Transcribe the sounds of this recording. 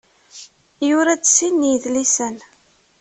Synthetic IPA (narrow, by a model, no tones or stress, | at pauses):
jʊɾæt͡ssinːjəðlisən